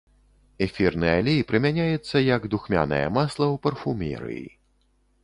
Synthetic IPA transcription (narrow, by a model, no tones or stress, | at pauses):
ɛfʲirnɨjalʲejpɾɨmʲanʲajɛt̪sːɐjɐɡd̪uxmʲa̰nɐ̰jɐ̰maslˠɐwpɐrfumʲɛ̰ɾɨ̰jḭ